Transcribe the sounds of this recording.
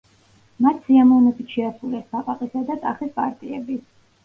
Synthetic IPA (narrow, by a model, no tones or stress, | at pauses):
mat̪ʰsiamɔvnɛbit̪ʃɛasulɛsbaqʼaqʼisad̪at̪ʼaχispʼaɾt̪ʼiɛbi